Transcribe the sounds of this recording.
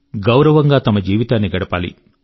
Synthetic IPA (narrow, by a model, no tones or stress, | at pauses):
ɡɐwɾɐʋɐŋɡaːt̪ɐmɐd͡ʒiːʋit̪aːnːiɡɐɽɐpa̰ːlḭ